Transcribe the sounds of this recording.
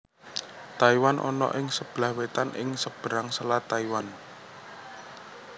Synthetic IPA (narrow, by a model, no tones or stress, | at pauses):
t̪aiwanʔɔ̰nɔ̰ʔɪŋsəb̥lahwet̪anɪ̰ŋsəb̥ɾaŋsəlat̪aiwan